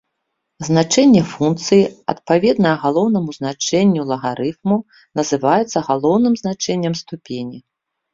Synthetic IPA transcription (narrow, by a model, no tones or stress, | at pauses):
znat͡ʂɛnʲːɛfunkt̪sɨjiɐ̰t̪̚pavʲɛd̪nɐɐɣalˠɔwnɐmuznat͡ʂɛnʲːulˠɐɣaɾɨfmu | nɐzɨvajɛt̪sːɐɣalˠɔwnɨmznat͡ʂɛnʲːɐmst̪upʲenʲi